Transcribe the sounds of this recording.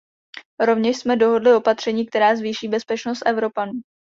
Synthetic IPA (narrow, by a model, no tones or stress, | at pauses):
ɾo̞vɲɛʃsmɛdo̞ɦo̞dlɪo̞pat̪r̝̥ɛɲiːk̚t̪ɛɾaːzviːʃiːbɛspɛt͡ʃnost̪ʔɛvɾo̞panuː